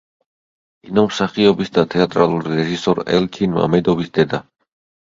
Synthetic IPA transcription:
inɔmsaχiɔbisd̪at̪ʰɛat̪ʼɾalˠuɾiɾɛʒisɔɾɛ̰lt͡ʃʰinma̰mɛd̪ɔbisd̪ɛd̪a

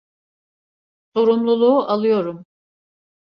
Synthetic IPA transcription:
so̞ɾumlˠulˠuːʔalˠɯjo̞ɾum

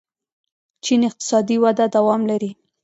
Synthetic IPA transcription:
t͡ʃinɪq̚t̪ɪ̥sɑd̪iwad̪ad̪awɑmlaɾi

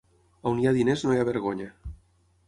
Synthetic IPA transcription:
awniaðineznoeaβeɾɣoɲa

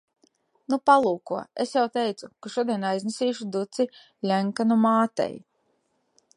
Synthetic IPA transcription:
nupalˠuːkuɔesjawt̪ejt̪sukaʃuɔd̪ijɛnajznesiːʃud̪ut̪si | lʲæŋkanumaːt̪ɛ̰j

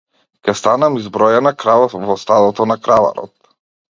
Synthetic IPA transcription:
kʲɛst̪anamizbɾɔjanakɾavavɔst̪ad̪ɔt̪ɔnakɾava̰ɾɔ̰t̪̚

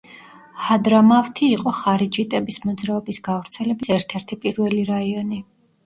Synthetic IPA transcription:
had̪ɾamavt̪ʰiːqʼɔχaɾid͡ʒit̪ʼɛbismɔd̪zɾaɔbisɡavɾt̪sʰɛlɛbisɛɾt̪ʰɛɾt̪ʰipʼiɾvɛliɾaiɔni

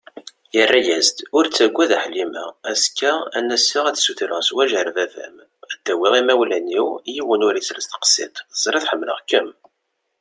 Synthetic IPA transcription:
jərːæjæzd̪ʊɾt͡sːæɡʷːæðæħlimæːskːææ̰nːæsiʁæθsuθɾəswæʒəɾvæfæ̰m | æd̪̥ːæwiʁimæwlæniwjiwənʊɾisɾəst̪ə̥qə̥sḭt̪ˤzˤɾˤiθħəmːlə̰ʁkːəm

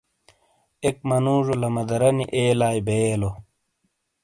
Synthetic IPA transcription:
ek̚mɐnuːʐolɐmɐd̪ɐɾɐniʔeːlaːjbeːlo

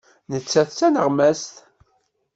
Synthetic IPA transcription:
nət͡sːæθt͡sːænəʁmæst̪

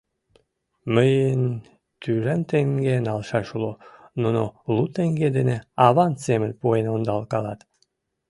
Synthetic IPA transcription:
məjən | t̪yɾænt̪eŋɡenɑlʃɑʃulonunolut̪eŋɡed̪eneɑβɑnsemə̆nʲpuenond̪ɑlkɑlɑt̪

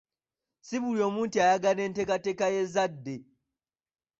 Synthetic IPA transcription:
siβuljo̞ːmuːntiajaɡane̞ːnte̞katekaje̞zadːe

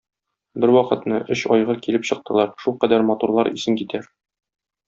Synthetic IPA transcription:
bɘɾwɒqɤ̆t̪nɤʔɵɕɒjʁɤkilɘpɕɤ̆q̚t̪ɤ̆lˠɑɾʃulˠqæd̪æɾmɒt̪uɾlˠɑɾḭsɘŋkit̪ʰæ

